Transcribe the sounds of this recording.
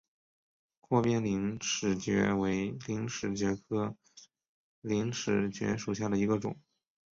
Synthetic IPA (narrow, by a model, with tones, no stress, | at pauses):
kʰwɔ˥˧pjɛ˥nli˧˥ŋʂɻ̩˨˩t͡ɕɥɛ̰˧˥we˧˥ɪli˧˥ŋʂɻ̩˨˩t͡ɕɥɛ˧˥kʰɤ˥ | li˧˥ŋʂɻ̩˨˩t͡ɕɥɛ̰˧˥ʂu˨˩ɕ̬ja˥˩d̪ə˩i˧˥ɡə˧ʈ͡ʂʊ̰˨˩˦ŋ